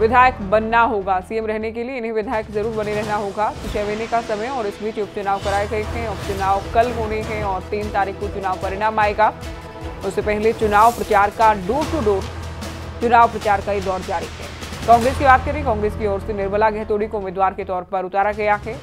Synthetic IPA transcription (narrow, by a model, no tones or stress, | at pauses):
ʋɪd̪ʱaːjəkbɐnːaɦoːɡasiːemɾɛɦnekelieɪnɦẽʋɪd̪ʱaːjəkzɐɾuːɾbɐniɾɛɦnaɦoːɡasʊʃɛʋeːnekasɐməjɔːɾɪsbiːt͡ʃjʊkt͡ʃʊnaːʋkɐɾaːeɡɐeɦɛ̃ʊkt͡ʃʊnaːʋkɐlɦoːneɦɛ̃ɔːɾt̪iːnt̪aːɾiːxkot͡ʃʊnaːʋpɐɾɪɽaːmaːeɡa | ʊssepɛɦlet͡ʃʊnaːʋpɾɐt͡ʃaːɾkaɖoːʈuɖoːɾ | t͡ʃʊnaːʋpɾɐt͡ʃaːɾkajid̪ɔːɾd͡ʒaːɾiɦɛ̰ːkɔ̃ːŋɡɾeːskibaːt̪̚kɐɾẽẽkɔ̃ːŋɡɾeːskiɔːɾsenɪɾməlaɡɛɦt̪oːɽikoʊmeːd̪ʋaːɾket̪ɔːɾpɐɾʊt̪aːɾaɡɐjaɦɛː